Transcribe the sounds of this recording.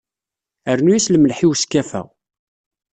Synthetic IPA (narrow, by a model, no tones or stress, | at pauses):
əɾnujisləməlħiwskːæfæ̰